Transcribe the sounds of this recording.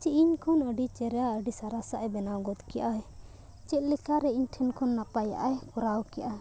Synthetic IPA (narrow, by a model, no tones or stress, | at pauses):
t͡ʃiʔiɲkʰɔnəɖit͡ʃɛɾɛjaəɖisaɾasaʔɛbɛnawɡɔt̪kɛjʔaɦɛ | t͡ʃɛt̪̚ˀlɛkaɾɛiɲʈʰɛnkʰɔnːapaja̰ʔɛkɔɾawkijʔa